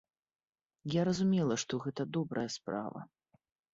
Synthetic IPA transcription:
jaɾɐzumʲɛlˠɐʂt̪ɔɣɛt̪ɐd̪ɔbɾɐjɐspɾa̰vɐ̰

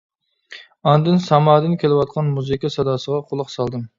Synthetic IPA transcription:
ɑnd̪ɨnsɑmɑːd̪ɨnkʲʰelɪwɑt̪̚qʰɑnmuzikʲɑsɑd̪ɑːsəʁɑqʰolˠəqsɑlˠd̪ɨm

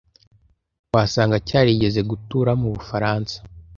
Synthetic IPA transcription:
waːsaːŋɡacaːɾiɟe̞ze̞ɡutuɾamuβufaɾaːnsḁ

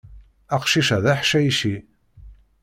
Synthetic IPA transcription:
æqʃiʃæðæħʃæjiʃi

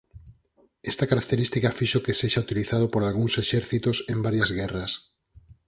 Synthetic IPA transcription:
est̪akaɾak̚t̪eɾist̪ikafiʃokeseʃaut̪iliθaðopoɾalɣuŋseʃɛɾθit̪osẽmbaɾjazɣɛrɐs

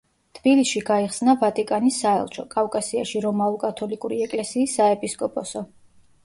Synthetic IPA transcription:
t̪ʰb̥ilisʃiɡaiχsnavat̪ʼikʼanisːaɛ̰lˠt͡ʃʰɔkʼafkʼasiaʃiɾɔmaukʼat̪ʰɔlikʼuɾiɛkʼlɛsiːsːaɛpʼiskʼɔpʼɔsɔ

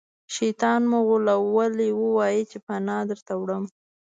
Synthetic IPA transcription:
ʃit̪ɑnmʊɣʊlawaliwəwɑjit͡ʃepanɑd̪əɾt̪awɽəm

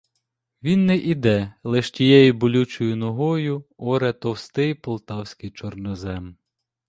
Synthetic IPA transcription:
ʋʲinːɛʔid̪ɛlˠɛʃtʲijɛjibɔlʲut͡ʃʊjʊnɔɦɔjʊɔɾɛt̪ɔwst̪ɪjpɔlˠt̪ɑwsʲkɪjt͡ʃɔrnɔzɛm

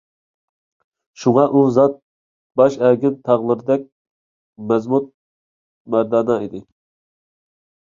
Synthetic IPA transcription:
ʃuŋɑʔuzɑt̪̚ | bɑʃæɡʲɪnt̪ʰɑʁlˠɨɾd̪ɛk̚ʲ | mɛzmut̪̚ | mæɾd̪ɑːnɑid̪ɪ

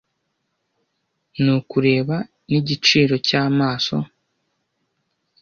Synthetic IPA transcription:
nukuɾe̞ːβa | niɟit͡ʃiːɾo̞caːmaːso̞

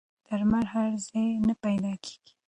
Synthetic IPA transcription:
d̪̥aɾmaɾhaɾzejnəpajd̪ɑkʰe̥ɡ̥i̥

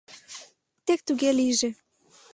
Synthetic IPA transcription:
t̪ek̚t̪uɣeliʒĕ

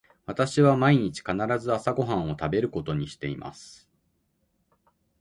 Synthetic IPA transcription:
βat̪aɕiβamaiɲ̟it͡ɕi̥kanaɾazɨasaɡo̞ɦãɰ̃o̞t̪abe̞ɾɯ̟ko̞t̪o̞ɲ̟iɕi̥t̪e̞imʔa̰sɨ̥

